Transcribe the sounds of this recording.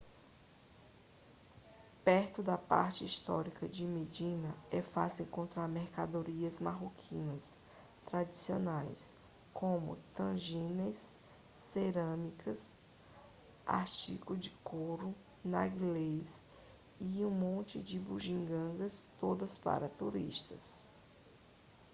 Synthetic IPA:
pɛɾt̪ʊd̪ɐpa̰ɾt͡ʃɪist̪ɔ̰ɾikɐd͡ʒɪmed͡ʒĩnɐɛfasẽkõnt̪ɾaɾmeɾkad̪oɾiɐzmaɦokʰĩnɐs | t̪ɾad͡ʒisionajs | kʰõmʊ̰t̪ɐ̃ʒĩnesː | eɾɐ̃mikʰɐs | a̰ɾt͡ʃḭkʊd͡ʒɪkoɾʊ | naɡiles | iũmõnt͡ʃɪd͡ʒɪbuʒĩŋɡɐ̃ɡɐst̪od̪ɐspa̰ɾɐt̪uɾḭʃt̪ɐs

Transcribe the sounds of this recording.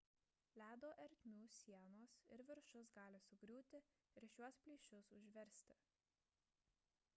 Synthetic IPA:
lʲæːd̪oːʔɛɾʲt̪ʲmʲuːsʲiɛnoːsɪ̰ɾʋʲɪɾʃʊsɡɑːlʲɪsʊɡɾʲuːt̪ʲɪ | ɪɾʃʲuɔspʲlʲiːʃʲʊsʊʒʲʋʲɛɾʲsʲt̪ʲɪ

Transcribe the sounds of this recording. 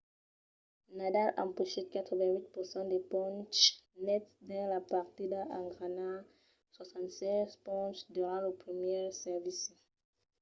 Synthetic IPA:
nadalã̰mpuʃekat̪χɔvɛ̃wit̪̚puʁsɑ̃d̪epɔ̃nt͡ʃnɛt̪d̪ɛ̃lapaʁt̪id̪aãŋɡʁana | swasɑ̃nt̪sɛzpɔ̃nt͡ʃd̪yʁɑ̃lopʁimjɛsɛʁvis

